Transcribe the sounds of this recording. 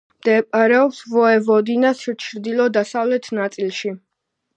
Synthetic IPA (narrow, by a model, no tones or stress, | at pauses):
md̪̥ɛpʼaɾɛɔpsvɔɛvɔd̪inast͡ʃʰɾd̪ilɔd̪asavlɛt̪ʰnat̪sʼilˠʃi